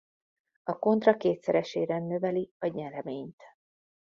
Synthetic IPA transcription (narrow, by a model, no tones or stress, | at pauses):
ɒko̞nt̪rɒkeːt̪sɛɾɛʃeːɾɛnːø̞vɛliɒɲɛrɛmeːɲt̪